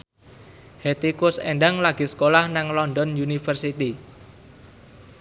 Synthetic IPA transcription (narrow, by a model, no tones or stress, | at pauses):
het̪ikʊsḛnɖaŋlaɡ̥i̤sə̥kolahnaŋlɔnd̪ɔnjunifərsit̪i